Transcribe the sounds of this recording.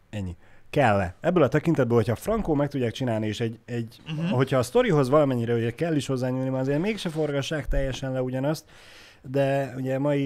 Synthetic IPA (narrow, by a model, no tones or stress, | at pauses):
ɛɲːi | kɛlːɛɛbːøːlɒt̪ɛkint̪ɛd̪bøːlho̞cʰhɒfrɒŋkoːmɛk̚t̪uɟːaːk̚t͡ʃinaːlnieːʃɛɟɛɟɦo̞cʰhɒːst̪o̞ɾiɦo̞zʋɒlɒmɛɲːiɾɛoɟɛkɛlːiʃho̞zːaːɲuːlnimɛɒzeːrmeːkʃɛfo̞rɡɒʃːaːkt̪ɛjːɛʃɛnlɛuɟɒnɒst̪ | d̪ɛuɟɛmɒji